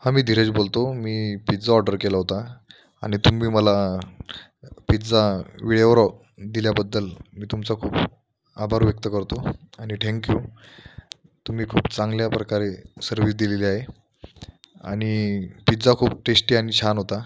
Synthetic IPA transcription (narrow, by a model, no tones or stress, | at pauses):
hamiːd̪ʱiɾet͡sbolt̪omiːpit̪d͡zaɔɾɖəɾkelaɦot̪a | a̰ñit̪umiːməla | pit̪d͡zaʋiɭjeoɾɔ | d̪iljabəd̪ːəlmiːt̪umt͡sakʰuːp | abʱaɾʋjək̚t̪əkəɾt̪oaɽ̃it̪ʰɛ̃ŋkju | t̪um̤iːkʰuːpt͡sãŋɡljapɾəkaɾesəɾʋiːs̬d̪ileliaɦe | a̰ɽ̃ipit̪d͡zakʰuːp̚ʈesʈiːañit͡ɕʰanɦot̪a